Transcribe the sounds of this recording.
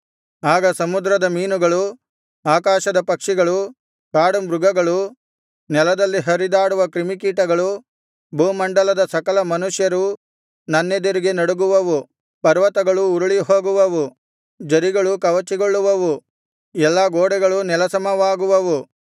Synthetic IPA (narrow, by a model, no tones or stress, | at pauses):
aːɡɐsɐmud̪ɾɐd̪ɐmiːnuɡɐɭu | aːkaːʃɐd̪ɐpɐkʂiɡɐɭu | kaːɽumbɾuɡɐɡɐɭu | nɛlɐd̪ɐlːiɦɐɾid̪aːɽuʋɐkɾimik̬iːʈɐɡɐɭu | bʱuːmɐɳɖɐlɐd̪ɐsɐkɐlɐmɐnuʂjɐɾu | nɐnːed̪iɾiɡenɐɽuɡuʋɐʋu | pɐɾʋɐt̪ɐɡɐɭuːɾuɭiɦo̞ːɡuʋɐʋu | d͡ʒɐɾiɡɐɭukɐʋɐt͡ʃiɡoɭːuʋɐʋu | ɛlːaɡoːɽɛɡɐɭunɛlɐsɐmɐʋaːɡuʋɐʋu